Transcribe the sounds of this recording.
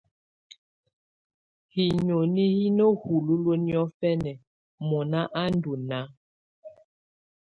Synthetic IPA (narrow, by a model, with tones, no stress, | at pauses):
hi˨ɲo˨ni˦hi˦no˦hu˨lu˦lo˦ni˦ɔ˦fɛ˦nɛ˨ | mɔ˨na˦ʔa˦n˦du˨na˨˦